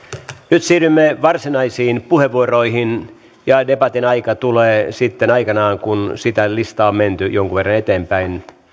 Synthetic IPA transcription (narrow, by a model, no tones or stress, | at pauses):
nyt̪siːrymːeʋɑrsinɑisiːnpuheʋʋuoroihin | jɑdepɑt̪inɑikɑt̪uleːsit̪ːenɑikɑnɑːŋkunsit̪ælist̪ɑomment̪yjoŋkuʋerːɑnet̪eːmpæin